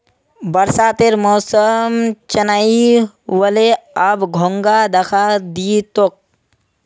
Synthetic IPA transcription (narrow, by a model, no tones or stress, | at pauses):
bəɾsat̪eɾmɔːsəmt͡ʃɐnai | wəleabɡʱoŋɡad̪ɐkʰad̪it̪ok̚